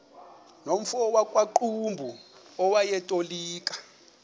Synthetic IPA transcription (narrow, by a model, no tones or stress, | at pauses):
nom̩fɔwakʼwaǃumbʱuɔwajɛtʼoliːkʼḁ